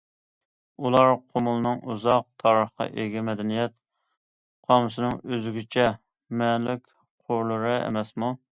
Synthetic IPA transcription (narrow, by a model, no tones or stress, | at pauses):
ulˠɑɾqʰomulˠɨnɨŋʔuzɑq̚t̪ʰɑɾəχqɑ̰ʔeɡʲɛmɛd̪ɛnijɛt̪̚ | qʰɑmsɨnɨŋøzɡʲyt͡ʃʰɛ | mɛlɪkʲ | qʰoɾlˠəɾɨḛmɛsmu